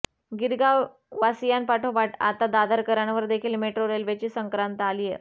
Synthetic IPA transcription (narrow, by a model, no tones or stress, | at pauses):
ɡiɾɡaʋ | ʋasijanpaʈʰobaʈa̰t̪ad̪ad̪aɾkəɾaɳʋəɾd̪ekʰiːlmeʈɾoɾelʋet͡ɕiːsəŋkɾant̪əalije